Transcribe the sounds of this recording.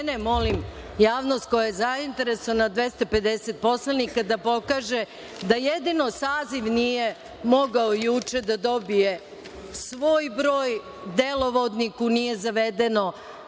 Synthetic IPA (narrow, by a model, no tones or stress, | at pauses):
nemo̞lim | jaːʋnost̪̚ko̞jajezaint̪eɾesoanad̪ʋe̞st̪ope̞d̪eset̪̚po̞slˠanikad̪apo̞kaːʒe | d̪ajed̪ino̞saːziʋnije | mo̞ɡaojut͡ʃe̞d̪ad̪o̞bije | sʋo̞ːjbɾoːj | d̪elˠo̞ʋod̪nikunije̞zaʋed̪eno̞